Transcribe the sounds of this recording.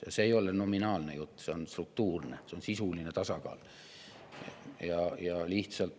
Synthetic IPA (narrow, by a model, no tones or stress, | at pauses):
jɑ̰seejo̞leno̞minɑːlnejut̪ːse̞o̞nst̪ruk̚t̪uːrneseo̞nsisuline̞t̪ɑsɑkɑ̰ːl | jɑjɑliht̪sɑlt̪ːˑ